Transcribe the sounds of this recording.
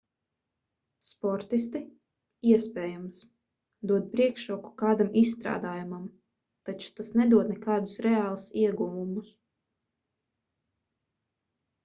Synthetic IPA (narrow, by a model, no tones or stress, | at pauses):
spɔɾt̪ist̪i | iɛspɛːjams | d̪uɔt̪̚pɾiɛkʃuɔku̥kaːd̪amʔissːt̪ɾa̰ːd̪aːjumam | t̪at͡ʃu̥t̪asnɛd̪uɔd̪nɛkaːd̪usɾɛaːlˠusiɛɡuvumus